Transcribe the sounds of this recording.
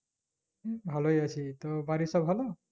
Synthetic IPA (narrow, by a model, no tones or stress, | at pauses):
bʱalɦojasʰit̪ɔbaɾisɔbʱɦalɔ